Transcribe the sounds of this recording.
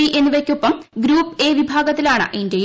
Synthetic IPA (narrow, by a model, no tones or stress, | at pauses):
iʔenːuʋɐkʲːupːɐmɡɾuːpːe̞ːʋibʱaːɡɐt̪ːilaːɳɨ̰ʔinde